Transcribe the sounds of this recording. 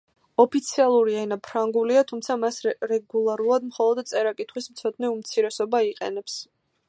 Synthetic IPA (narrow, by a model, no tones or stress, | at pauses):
ɔpʰit̪sʰialˠuɾiainapʰɾaŋɡuliat̪ʰumt̪sʰamasɾɛɡulˠaɾulˠad̪mχɔlˠɔd̪t̪sʼɛɾakʼit̪ʰχwismt̪sʰɔd̪nɛumt̪sʰiɾɛsɔbaiqʼɛ̰nɛps